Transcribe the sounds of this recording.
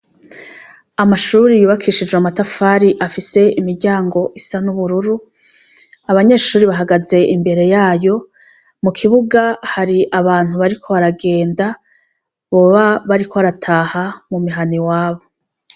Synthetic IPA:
amaʃuːɾijuːβakʰiːʃid͡ʒweamatafaːɾiʔafise̞imiɾɟaːŋɡo̞ʔisanuβuɾuɾu | aβaɲe̞ːʃuːɾiβaɦaɡaze̞ʔimbe̞ɾe̞jaːjo̞ | mukʰiβuɡahaɾiʔaβaːn̥huβaɾikʰo̞βaɾaɡe̞ːnda | βo̞ːβaβaɾikʰo̞βaɾatʰaːhamumiɦaniwaːβo̞

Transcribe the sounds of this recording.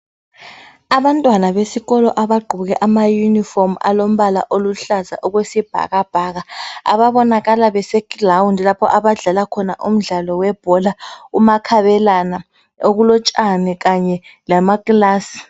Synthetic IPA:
aβantʼwanaβesiɣɔlɔ̰ʔaβaɡ͡ǃʱuβuɣɛʔamajunifɔrma̰lom̩βala̰ʔoluɬaza̰ʔɔɣwesib̥ʱa̰ɣab̥ʱaɣaa̰βaβɔnaɣalaβɛsɛklawundlapʰɔ̰ʔaβaɮalakʰɔnaʔum̩ɮalɔwɛb̥ʱɔlaumakʰaβɛlana | oɣulɔt͡ʃʼanɛɣaɲɛlamakʼlaːsi̥

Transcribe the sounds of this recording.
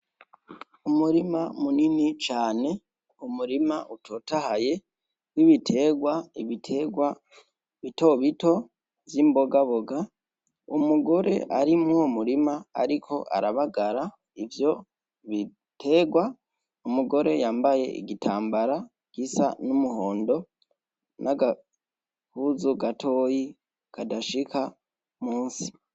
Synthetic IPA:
umuɾimamuninit͡ʃaːne̞ | umuɾimaʔutʰoːtahaje̞ | niβitʰe̞ːɡwaiβitʰeɡwa | βito̞βito̞ | zimbo̞ɡaβo̞ɡa | umuɡo̞ɾe̞̰ʔaɾimŋoumuɾimaa̰ɾikʰo̞ʔa̰ɾaβaɡaɾa | ivjo̞ | βi | tʰe̞ɡwa | umuɡo̞ɾe̞jaːmbaje̞̰ḭɡitʰaːmbaɾa | ɡ̥isa̰numuho̞ːndo̞ | nʔaɡa | huzuɡatʰo̞ːji | kadaʃika | muːnsi̥

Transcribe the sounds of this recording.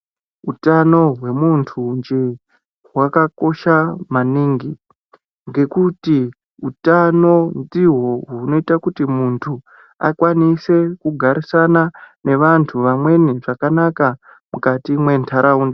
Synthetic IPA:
utano̞ɦwe̞muntʰund͡ʒe | ɦwakako̞ʃamaniːŋɡi | ŋɡe̞kuti | utano̞ndiɦoɦuno̞itakutimuntʰu | a̰kwanise̞kuɡʱaɾisanane̞ʋantʰuʋamwe̞niʐakanaka | mukatimwe̞ntʰaɾʔaunda

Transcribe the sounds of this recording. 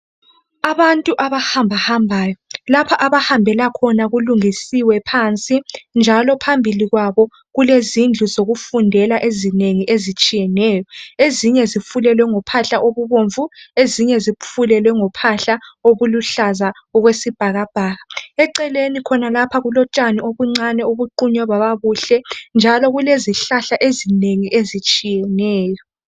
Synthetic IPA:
aβantʼuʔaβahambʱahambʱaːjɔlapʰaʔaβahambʱɛlakʰɔnaɣuluŋisiwɛpʰant͡sʼind͡ʒʱalɔpʰambʱiliɣwaβɔ | ɣulezind͡ɮʱuzoɣufundʱɛlaʔezineŋiʔezit͡ʃʼijɛnɛːjɔeziɲɛzifulɛlwɛŋɔpʰaɬaʔoβuβoɱvueziɲɛzifulɛlwɛŋɔpʰaɬaoβuluɬaza | ɔɣwesib̥ʱaɣab̥ʱaːɣaɛǀɛlenikʰɔnalapʰaɣulɔt͡ʃʼanioβuŋ͡ǀanɛoβuǃuɲɔβaβaβuɬɛnd͡ʒʱalɔɣuleziɬaɬaʔezineŋiʔezit͡ʃʼijɛnɛːjɔ

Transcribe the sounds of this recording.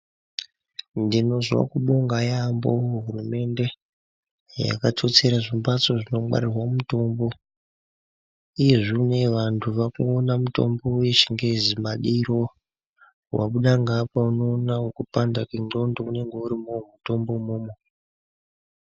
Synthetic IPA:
ndino̞zwa̰kuɓoŋɡajambo̰ɦurume̞nde̞ | ja̰katʰo̞t͡se̞ɾaʐimbat͡soʐino̞ɓa̰ɾirwamuto̞mbo̞ | ije̞ʐine̞ʋantʰuʋakuːnamuto̞̰mbo̞weʃiŋɡezimaɗiɾo̞ | wa̰ɓuɗaŋɡapauno̞ːnawokupandakiŋɡo̞ndoune̞ŋɡeuɾimomuto̞mbo̞moːmo

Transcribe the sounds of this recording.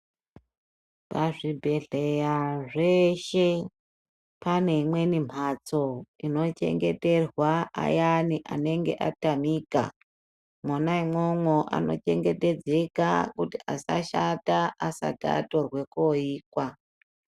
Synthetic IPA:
paʐibʱe̞ɮejaʐeʃe̞ | pane̞imwe̞nim̤ʱat͡so̞ino̞t͡ʃe̞̰ŋɡe̞te̞rwaa̰janiʔa̰ne̞ŋɡe̞̰ʔa̰tamiːka̰ | mwanaimwomwoʔa̰no̞̰t͡ʃe̞ŋɡe̞te̞d͡ze̞ka̰kutiʔasa̰ʃataʔasa̰ta̰to̞rwe̞koiːkwa

